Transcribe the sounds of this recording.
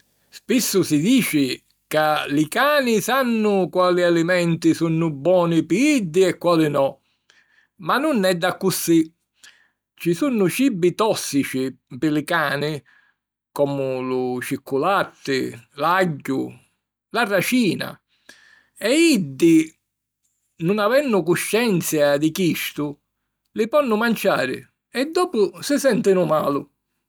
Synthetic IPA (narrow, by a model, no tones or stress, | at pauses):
spisːʊsɪd̪iːt͡ʃɪ | kalɪkaːnɪsanːʊkwaːlialimɛnt̪isunːʊbːwɔːnipɪid̪ːɪɛkːwaːlɪnɔ | manːʊnːɛd̪ːakːusːi | t͡ʃisunːʊt͡ʃibːit̪ɔsːit͡ʃipɪlɪkaːnɪ | kɔmʊlʊt͡ʃikʰːulat̪ːɪlaɟːʊ | larːat͡ʃiːna̰ | ɛid̪ːɪ | nʊnavɛnːʊkʊʃːɛnt̪sjad̪ɪkiʃt̪ʊ | lɪpɔnːʊmant͡ʃa̰ːɾɪ̰ | ɛd̪ːɔːpʊsɪsɛnt̪ɪnʊmaːlʊ